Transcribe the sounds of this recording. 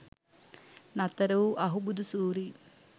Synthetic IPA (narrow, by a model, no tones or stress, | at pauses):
nɐt̪ɐɾɐʋuʔɐɦubud̪usuːɾi